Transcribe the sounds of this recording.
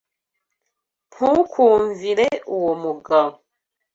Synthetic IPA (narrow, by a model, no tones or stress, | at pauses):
pukʰuːɱviɾeuwomuɡam